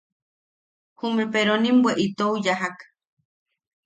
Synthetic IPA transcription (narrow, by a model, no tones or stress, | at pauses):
humepeɾonimbweʔit̪oujaɦak